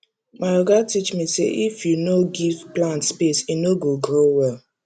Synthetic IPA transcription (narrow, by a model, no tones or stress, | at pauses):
maoɡatit͡ʃmisḛʔifjunoɡivplãntspesinoɡoɡɾowɛl